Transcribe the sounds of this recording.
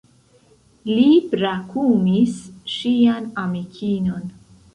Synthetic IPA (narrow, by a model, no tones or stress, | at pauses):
lipɾakʰumisʃianamikʰino̞n